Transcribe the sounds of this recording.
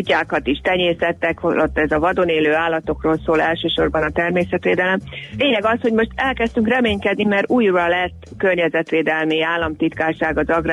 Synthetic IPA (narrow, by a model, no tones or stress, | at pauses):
ucːaːkɒt̪iʃt̪ɛɲeːsɛt̪ːɛkholot̪ːɛzɒvɒd̪o̞neːløːaːlːɒt̪o̞kroːlsoːlɛlʃøːʃo̞rbɒnɒt̪ɛrmeːsɛt̪ʋeːd̪ɛlɛmleːɲɛɡɒsho̞ɟmo̞ʃt̪ɛlkɛst̪yŋkrɛmeːɲkɛd̪nimɛruːjrɒlɛt̪ːkørɲɛzɛt̪ʋeːd̪ɛlmiaːlːɒmt̪it̪kaːrʃaːɡɒzɒɡr